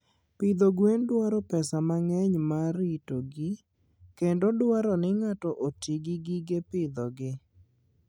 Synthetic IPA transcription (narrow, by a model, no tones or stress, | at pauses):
pɪd̪oɡwendwaɾɔpɛsamaŋɛɲmaɾitoɡɪ | kendodwaɾɔnɪŋatɔʔotiɡiɡiɡepɪd̪ɔɡɪ